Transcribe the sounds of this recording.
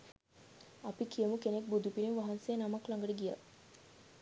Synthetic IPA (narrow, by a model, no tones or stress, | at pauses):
apikijəmukenek̚bud̪upiɾinʋaɦansejənamaklaŋɡəʈəɡija̰